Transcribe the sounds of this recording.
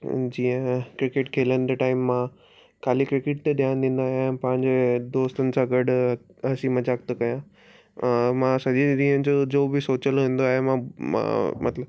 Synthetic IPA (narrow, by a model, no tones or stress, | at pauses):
d͡ʑiːə̃kɾɪkɪʈkʰeːlənɪ̆d̪ɐʈaːɪmːã | kʰaːlikɾɪkɪʈ̚t̪eɗijãd̪ĩːn̆d̪aːɦijãpɐ̃ɦɪ̃ɲd͡ʑed̪oːst̪ənɪ̆sãɡɐɽɦɐsimɐd͡ʑaːk̚t̪okɐjã | ɛ̃mãsɐʄĩɗ̪ĩːɦənɪ̆d͡ʑod͡ʑoːbɪsoːt͡ɕəlɦĩːn̆d̪oaːɦemãmã̰mɐ̰t̪ləb